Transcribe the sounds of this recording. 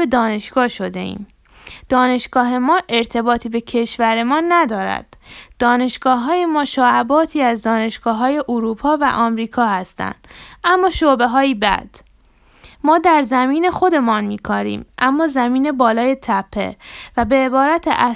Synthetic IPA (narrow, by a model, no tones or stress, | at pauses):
be̞d̪ɒːne̞ʃɡ̥ɒːʃo̞d̪e̞̰ḭːm | d̪̥ɒːne̞ʃɡ̥ɒːɦe̞mɒːʔe̞ɾt̪ʰe̞bɒːt̪ʰiːbe̞cʰe̞ʃvæɾe̞mɒːnæd̪ɒːɾæ̰d̪̥d̪̥ɒːne̞ʃɡ̥ɒːɦɒːje̞mɒːʃɒːʔæbɒːt̪ʰiːæzd̪ɒːne̞ʃɡ̥ɒːɦɒːje̞ʔuɾuːpʰɒːvæ̰ʔɒːmɾiːkʰɒːhæst̪æ̰nd̪̥æmːɒːʃobe̞ɦɒːjiːbæ̰d̪̥ | mɒːd̪æɾzæmiːne̞xo̞d̪e̞mɒːnmiːkʰɒːɾḭːmʔæmːɒːzæmiːne̞bɒːlɒːje̞t̪ʰæpʰːe̞̰væbe̞ːbɒːɾæt̪ʰḛʔæ